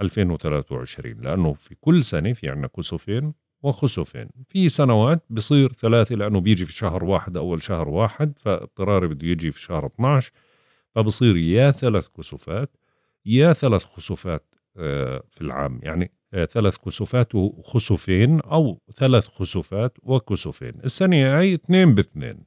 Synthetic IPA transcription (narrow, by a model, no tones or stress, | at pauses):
ʔalfeːnwɪθalaːθwʕɪ̰ʃɾḭːnlɪʔanːʊfikʊlːsanafiɪ̰ʕnakʊsufeːn | wɪxʊsufḛːnfisanawaːt̪̚bɨsˤiːɾθalaːθalɪʔanːʊbjɪd͡ʒifiʃahɾwaːħɪd̪ʔawːalʃahɾwaːħɪd̪̚fa̰t̪ˤːɨɾˤɑːɾˤbɪd̪jɪd͡ʒifi̥ʃahɾˤɨt̪ˤnaʕʃ | fabɨsˤiːɾjaθalaːθkʊsufaːt̪ | jaθalaːθxʊsufaːt̪ | filʕa̰ːmja̰ʕni | θalaːθkʊsufaːt̪wxʊsʊfeːnʔawθalaːθxʊsufaːt̪wɪkʊsufḛːnʔɪsːaniaajθneːnbɪθnḛːn